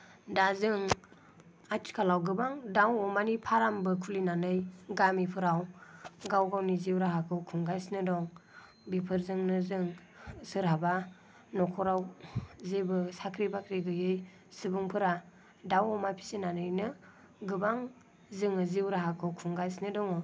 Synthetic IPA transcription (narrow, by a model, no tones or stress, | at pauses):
dazɯŋ | atʰi̥kʰalawɡɯbaŋdawɔmanipʰaɾambɯkʰulinanɯjɡamipʰɯɾawɡawɡawniziwɾaɦakʰɯwkʰuŋɡajsnɯdɔŋ | bipʰɯɾzɯŋnɯzɯŋ | sɯɾhaba | nɔkʰɔɾawzebɯsakʰɾibakɾiɡɯjɯj | sɯbuŋpʰɯɾa | dawɔmapʰi̥sinanɯjnɯ | ɡɯbaŋ | zɯŋɯziwɾaɦakʰɯwkʰuŋɡajsnɯdɔŋɔ